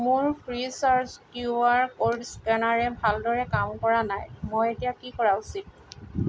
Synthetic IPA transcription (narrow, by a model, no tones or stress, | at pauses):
mʊɹpʰɹisaɹskjuaɹkoɹskɛnaɹɛbʱaldɔɹɛkamkɔɹanajmɔjetijakikɔɹaʊsit̚